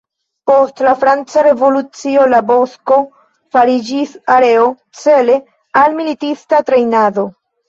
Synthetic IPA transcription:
po̞stlafɾant͡saɾe̞vo̞lut͡sio̞labo̞sko̞ | faɾid͡ʒisaɾe̞o̞ | t͡se̞le̞ | almilitistatɾe̞jnad̪o̞

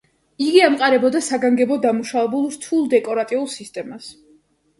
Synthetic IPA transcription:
iɡiamqʼaɾɛbɔd̪asaɡaŋɡɛbɔd̪amuʃavɛbulˠɾt̪ʰulˠd̪ɛkʼɔɾat̪ʼiulˠsist̪ʼɛmas

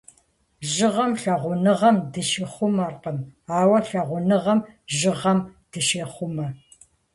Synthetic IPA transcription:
ʒɨʁɐmɬɐʁʷʊnɨʁɐmdɨʃeːχʷʊmɐrqəmaːwɐɬɐʁʷʊnɨʁɐmʒɪʁɐmd̥ɨʃeːχʷʊmɐ

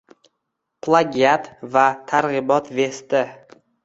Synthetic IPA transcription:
pʰlˠaɡʲat̪vat̪ʰaɾʁɨbɒt̪ve̞st̪ɪ

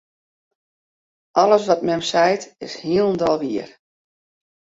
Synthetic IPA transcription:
ʔɑləsʋɔtmɛmsɛjtɪshiəlˠndɔlˠʋiər

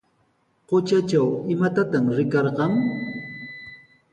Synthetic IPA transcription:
qot͡ʃat͡ʃawɪmat̪at̪amɾɪkɑɾqɑŋ

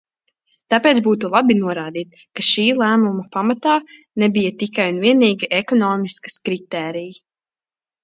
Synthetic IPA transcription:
t̪apeːt̪zbuːt̪ulˠabinuɔɾaːd̪iːt̪ | kaʃiːlˠæːmumɐpamat̪aː | nebijɐt̪ikajunviɛniːɡiʔekɔnɔːmiskɐ̥skɾit̪ɛːɾiji

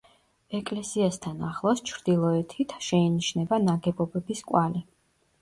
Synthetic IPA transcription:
ɛkʼlɛsiast̪ʰanaχlˠɔst͡ʃʰɾd̪̥ilˠɔɛt̪ʰit̪ʰʃɛiniʃnɛbanaɡɛbɔbɛbiskʼwali

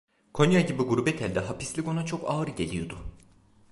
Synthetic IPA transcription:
kʰo̞njaɟibiɡuɾubɛt̪ʰælʲd̪ɛɦapislʲiko̞nat͡ʃʰo̞kʰaːɾɯɟe̞lʲijo̞d̪ʊ

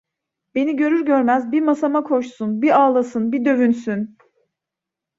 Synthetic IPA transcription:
be̞niɟø̞ɾyɾɟøɾmæzbimasamakʰo̞ʃsunbiaːlˠasɯnbid̪ø̞vynsyn

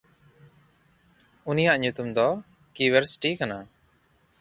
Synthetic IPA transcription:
unijaʔɲut̪umd̪ɔ | kiweɾsi̥ʈikana

